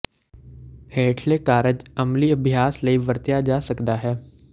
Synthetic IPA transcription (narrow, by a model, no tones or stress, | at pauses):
heːʈʰleːkaːɾəd͡ʒəmliɐbʱɪjaːsləiʋəɾt̪jad͡ʒaːsəkd̪aɦɛː